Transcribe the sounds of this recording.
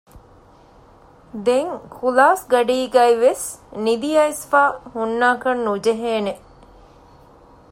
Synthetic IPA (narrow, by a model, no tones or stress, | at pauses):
d̪eŋkʰulaːsɡɐɖiːɡæjʋesnid̪ijɐisfaːhunːaːkɐnːud͡ʒeɦeːneʔ